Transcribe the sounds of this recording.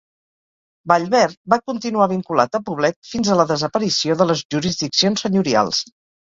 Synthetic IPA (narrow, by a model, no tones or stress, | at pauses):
baʎβɛɾbakunt̪inuaβ̞iŋkula̰t̪əpuβlɛt̪̚finzələðəzəpəɾisioðələzʒuɾizðiksionsəɲuɾia̰lˠs